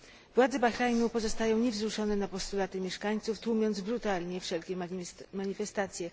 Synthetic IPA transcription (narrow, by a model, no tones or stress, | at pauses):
vwad̪zɛbaxɾajnupɔzɔst̪ajɔ̃w̃ɲɛvzɾuʂɔnɛnapɔst̪ulat̪ɘmʲjɛʂkaɲt̪suft̪wumʲjɔnd̪zbɾut̪alɲɛfʂɛlkʲɛmaɲifɛst̪at̪sʲjɛ